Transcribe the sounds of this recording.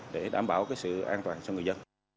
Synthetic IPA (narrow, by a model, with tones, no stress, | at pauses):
ɗe˧˩ɗaː˧˩mɓaː˧˩wkaː˨˦jsɨ̰˧˨ʔaː˧nt̪waː˨˩nt͡ɕɔ˧wŋɨ˨˩əzə˧n